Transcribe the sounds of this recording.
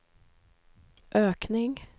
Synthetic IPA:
ʔøːknɪŋ

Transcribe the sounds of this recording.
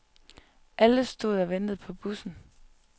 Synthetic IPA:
ʔæləsd̥o̝ð̞̰ˠɒʋend̥ð̞̩ˠpʰɒ̽b̥usn̩

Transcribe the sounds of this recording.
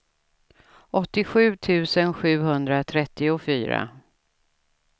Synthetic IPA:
ʔɔt̪ːɪɧʉ̟ːt̪ʰʉ̟ːsənɧʉ̟ːɦɵnd̪ɾat̪ʰɾɛt̪ːɪʊfyːɾa̰

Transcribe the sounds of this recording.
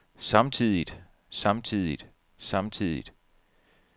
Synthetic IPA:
sɑ̈mt͡sʰiðˠid̥ | sɑ̈mt͡sʰið̰ˠid̥ | sɑ̈mt͡sʰið̰ˠid̥

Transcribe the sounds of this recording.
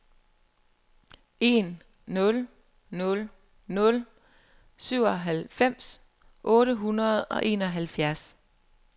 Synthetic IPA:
e̝̰nː | ɔ̽l | nɔ̽l | nɔ̽l | syʊ̰ɒɦælfem̰s | ʔɔ̽ːɾəɦunɐð̞̩ˠɒ̽ʔe̝̰ːnɒ̽ɦælfjæɐs

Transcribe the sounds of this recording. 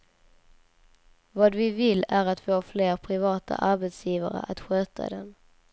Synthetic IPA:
vɑːd̪vɪvɪlːæɾat̪foːfleːɾpʰɾɪvɑːt̪ʰa̰ʔaɾbɛt̪sjiːvaɾə̰ʔat̪ɧøːt̪ʰa̰d̪ɛ̰n

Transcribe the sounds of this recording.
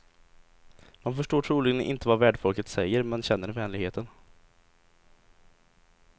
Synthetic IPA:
manfœʂʈoːʈʰɾuːlɪɡənʔɪ̰nt̪əvavæːɖfɔlkət̪sɛjːəɾmɛnɕɛnːəɾvɛːnlɪɡheːt̪ʰən

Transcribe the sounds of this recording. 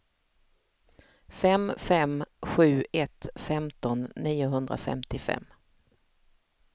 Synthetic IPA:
fɛmfɛmɧʉ̟ːɛt̪fɛmt̪ɔnːiːʊɦɵnd̪ɾa̰fɛ̰mt̪ɪfɛ̰mː

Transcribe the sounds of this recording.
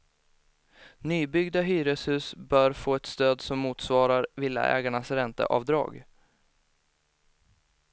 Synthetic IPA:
nyːbʏɡd̪aɦyːɾəshʉ̟ːsbœːɾfoːɛt̪st̪øːd̪sɔmːuːt̪svɑːɾaɾvɪlːa̰ʔɛ̰ːɡaɳasɾɛnt̪ə̰ʔɑ̰ːvd̪ɾɑ̰ːɡ

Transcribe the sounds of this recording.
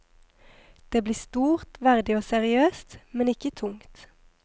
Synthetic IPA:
d̪̥eːbliːst̪uːʁt̪ʋæʁd̪ɪoːsɛʁɪøːst̪mɛnɪkət̪ʰʊŋt̪

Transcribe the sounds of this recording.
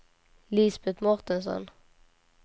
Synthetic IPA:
liːsbɛt̪mɔʁt̪ənsɔ̰n

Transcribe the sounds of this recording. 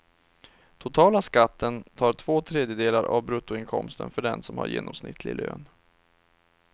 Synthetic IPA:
t̪ʰʊt̪ʰɑːlaskat̪ːənt̪ʰɑːʈʰvoːt̪ʰɾeːd̪jəd̪eːlaɾʔavbɾɵt̪ːʊɪnkʰɔmst̪ə̰nfœɖɛnsɔmha̰ɾjḛːnɔmsnɪt̪ʰlɪ̰lø̰ːn

